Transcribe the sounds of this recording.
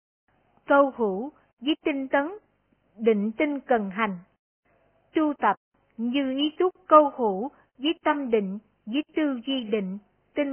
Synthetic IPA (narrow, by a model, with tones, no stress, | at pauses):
kə˧whu˧˩ | vəː˨˦jt̪ï˧ŋ̟t̪ə˨˦n | ɗḭ̈˧˨ŋ̟t̪i˧ŋkə˨˩nɦa˨˩jŋ̟ | t̪u˧t̪ə˨˩p̚ | ɲɨ˧ʔi˨˦t̪ʰʊ˦˥k͡p̚kə˧whu˧˩ | vəː˨˦jt̪ə˧mɗḭ̈˧˨ŋ̟ | vəː˨˦jt̪ɨ˧zi˧ɗḭ˧˨ŋ̟ | t̪i˧ŋ